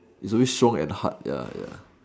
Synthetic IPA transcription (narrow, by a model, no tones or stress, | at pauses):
itsɔwestɹɔ̃ŋɛ̰̃nha̰t̚ja̰ja̰